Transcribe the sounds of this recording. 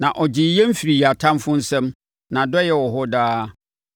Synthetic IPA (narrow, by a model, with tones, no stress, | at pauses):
nã˨ʔɔ˨d͡ʑɪ˨jɛ˦m̩˦fi˨ɾi˨ja˨tʰã˦mfʊ̃˦n̩˦sɛ̃˦m | nã˨dɔ˦jɛ˨wɔ˨ɦʊ˦daː˦